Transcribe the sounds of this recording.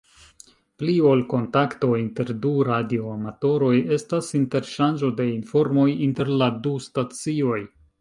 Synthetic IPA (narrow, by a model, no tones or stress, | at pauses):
plio̞lko̞ntakto̞inte̞ɾduɾadio̞amato̞ɾo̞je̞stasinte̞ɾʃand͡ʒo̞de̞info̞ɾmo̞jinte̞ɾladustat͡sio̞j